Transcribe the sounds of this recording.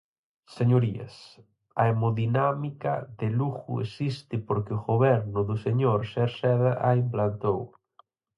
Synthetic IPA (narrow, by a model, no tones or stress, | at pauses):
seɲoɾiɐ̰s | aemoðinamika̰ðeluxṵesist̪ɪpoɾkɪʊɣoβɛɾnʊðʊseɲoɾseɾsɛðaʔaimplant̪ow